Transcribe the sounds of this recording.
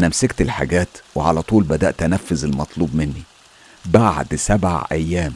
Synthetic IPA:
næmsekt̪elħa̰ɡæːt̪weʕa̰læt̪ˤuːlbæd̪æ̰ːʔt̪ːænæfːozelmɑt̪ˤluːbmɪnːi | baʕd̪sæbʕa̰ʕʔæjːæːm

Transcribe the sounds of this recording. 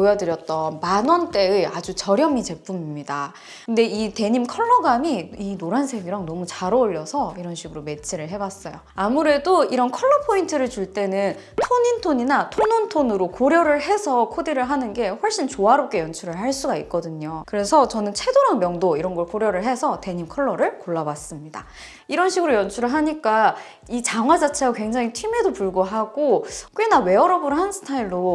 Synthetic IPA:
ojʌdɯɾjʌt̚t͈ʌnmanʌnt͈e̞ɯad͡ʑut͡ɕʌɾjʌmit͡ɕe̞p͈ʰumimɲida | kɯnde̞ite̞ɲimkʰʌɭːʌɡamiinoɾansʰe̞ɡiɾaŋnʌmut͡ɕaɾouʎːʌsʰʌiɾʌnɕʰiɡɯɾome̞t͡ɕʰiɾɯɭɦe̞bas͈ʌjo | amuɾe̞doiɾʌnkʰʌɭːʌpʰointʰɯɾɯɭt͡ɕuɭt͈e̞nɯn | tʰoɲintʰoɲinatʰonontʰonɯɾokoɾjʌɾɯɭɦe̞sʰʌkʰodiɾɯɭɦanɯnɡe̞ɸwʌɭɕ͈int͡ɕoaɾop̚k͈e̞jʌnt͡ɕʰuɾɯɭɦaɭs͈uɡaik̚k͈ʌdɯɲokɯɾe̞sʰʌt͡ɕʌnɯnt͡ɕʰe̞doɾanmjʌŋdoiɾʌnɡʌɭkoɾjʌɾɯɭɦesʰʌte̞ɲimkʰʌɭːʌɾɯɭkoɭːabas͈ɯmɲida̰ | iɾʌnɕʰiɡɯɾojʌnt͡ɕʰuɾɯɭɦaɲik͈a | it͡ɕaŋɦwad͡ʑat͡ɕʰeɡakwe̞ŋd͡ʑaŋitʰɥime̞dopuɭɡoɦaɡ̥ok͈enawe̞ʌɾʌbuɾɦansʰɯ̥tʰaiɭːo

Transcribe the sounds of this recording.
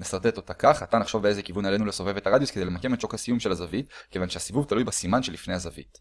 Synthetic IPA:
nesaʁt̪et̪o̞t̪akaχat̪anaχʃo̞vbee̞zekivunale̞nuleso̞vevetaʁadjusked̪ejlemake̞mett͡ʃo̞khasijumʃelazavitke̞vanʃeasivuvt̪alujbasimanʃelifne̞jhazavḭt

